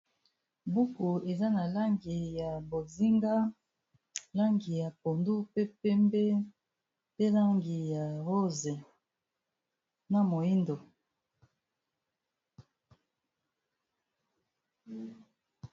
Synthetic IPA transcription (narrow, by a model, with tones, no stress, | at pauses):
bu˦ku˨e˨za˦na˨la˦ŋɡi˨ja˨bo˨zi˦ŋɡa˦ | la˦ŋɡi˨ja˨po˨ndu˦pe˦pɛ˦mbe˦ | pe˦la˦ŋɡi˨ja˨ʁo˦zɛ˨ | na˨mo˨ji˦ndo˨